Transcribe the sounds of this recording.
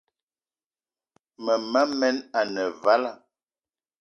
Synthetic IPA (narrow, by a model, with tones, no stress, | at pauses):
mə˨ma˦mɛ˦na˨nə˨va˦la˦˨